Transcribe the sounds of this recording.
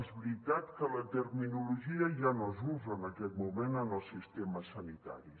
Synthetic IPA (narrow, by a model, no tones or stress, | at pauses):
ezβɾit̪at̪kələt̪əɾminuluʒiəʒanozuzəːnəkɛt̪mumenənəlˠsist̪eməsənit̪a̰ɾi